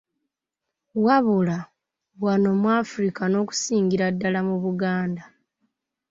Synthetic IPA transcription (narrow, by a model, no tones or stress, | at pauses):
waβula | βwano̞mwaːfuɾikano̞ːku̥siːŋɡiɾadːalamuβuɡaːnda